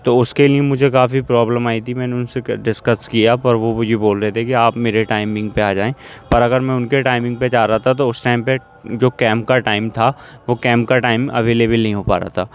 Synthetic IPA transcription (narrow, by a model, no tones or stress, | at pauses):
t̪oʊskeliemʊd͡ʒʱekaːfipɾɔːbləmaːit̪ʰimɛ̃ːneʊnseɖɪskəskijapɐɾʋojeboːlɾɛɦet̪ʰekiaːpmeːɾeʈaːɪmɪ̃ŋɡ̚peaːd͡ʒaːẽːpɐɾɐɡəɾmɛ̃ʊnkeʈaːɪmɪ̃ŋɡ̚ped͡ʒaːɾaɦat̪ʰat̪oʊsʈaːɪmpe | d͡ʒoːkɛ̃ːmp̚kaʈaːɪmt̪ʰaʋokɛ̃ːmp̚kaʈaːɪmɐ̰ʋeːleːbəlnɐɦĩɦoːpa̰ːɾa̰ːt̪ʰaː